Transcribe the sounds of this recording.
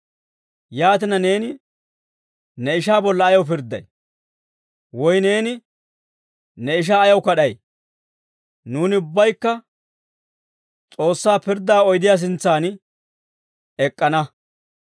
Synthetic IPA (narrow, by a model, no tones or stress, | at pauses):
jaːt̪̬ɪnɐne̞ːnɪ | nɛɪʃaːbɔlːɐːjɐwp̬ɪɾd̪ːɐ̰j | wɔjne̞ːnɪ | nɛɪʃ̬aːjɐwkɐɗɐj | nuːnɪʊbːɐjkːɐ | t͡sʼo̞ːsːaːpɪɾd̪ːaːɔjd̪ɪjaːs̬ɪnt͡sːaːn | ɛkʼːɐnɐ